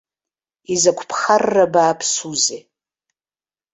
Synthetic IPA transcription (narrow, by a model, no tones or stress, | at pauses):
izakʷʰpʰχarːabaːpʰsuze